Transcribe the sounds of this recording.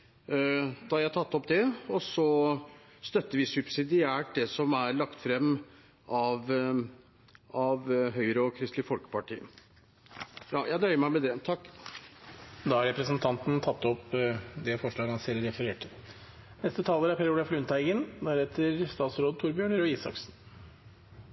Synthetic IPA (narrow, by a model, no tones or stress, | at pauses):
d̪̥ɑhɑɾjæɪt̪ʰɑt̪ːɔpd̪ɛɔsɔ | st̪œt̪ːəɾʋɪsʉbsɪd̪ɪæːʈ̚d̪ɛsɔmæɾɭɑkt̪fɾɛmː | ʔɑʋ | ɑʋɦœʏəɾəɔkʰɾɪst̪lɪfɔlkə̥pɑʈḭːə̰ | jɑːjʔæɪnœʏəmæɪmɛd̪ɛt̪ʰɑkː | d̪ɑhɑɾɛpɾəsnt̪ʰɑnt̪nt̪ʰɑt̪ːɔpd̪ɛfɔʂɭɑːɡhɑnsɛləɾɛfəɾeːʈʰə | nɛst̪ət̪ʰɑːləɾæɾpʰæɾuːd̪ɑflʉnt̪ʰæɪɡənd̪æɾɛt̪ʰəɾst̪ɑːt̪sɾoːd̪t̪ʰuɾbjøːɳəɾɔiːsɑ̰ksn̩